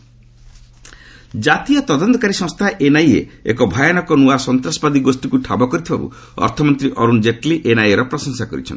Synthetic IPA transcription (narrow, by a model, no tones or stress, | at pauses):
d͡ʒat̪ijɔt̪ɔd̪ɔnt̪ɔkaɾisɔ̃ŋst̪ʰaʔenajḛekɔbʱajañɔkɔnuasɔnt̪ɾasɔ̥bad̪iɡosʈikuʈʰa̰bɔkɔɾit̪ʰibabṵ | ɔ̰ɾt̪ʰɔmɔnt̪ɾiʔɔɾund͡ʒeʈliʔenajeɾɔpɾɔsɔnsakɔɾḭt͡ʃʰɔ̰n